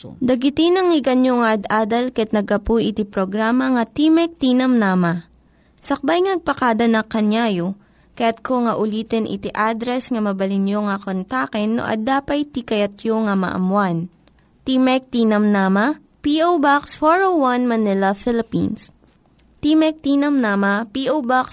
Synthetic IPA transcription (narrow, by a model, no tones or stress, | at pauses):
d̪ɐɡɪt̪inɐŋɪɡɐnjoŋɐʔɐd̪aːd̪ɐlkɐjɐt̪nɐɡ̚ɐpujʔɪt̪ipɾoɡɾaːmɐŋɐt̪imɛk̚t̪iːnɐmnaːmɐ | sɐk̚bajŋɐnɐɡ̚pɐkaːd̪ɐnɐkɐnjaːjo | kɐjat̪̚kʰoŋɐʔʊliːt̪ɛnʔɪ̰t̪iʔad̪ɾɛsŋɐmɐbɐlɪnjoŋɐkont̪akɛnːo̰ʔɐ̰d̪aːpɐjt̪ikɐjɐt̪̚joŋɐmɐ̰ʔɐ̰mwan | t̪iːmɛk̚t̪iːnɐmnaːmɐ | piʔowbaksfoɹowanmɐnɪlɐfɪlɪpḭns | t̪imɛk̚t̪iːnɐmnaːmɐpiʔowbaks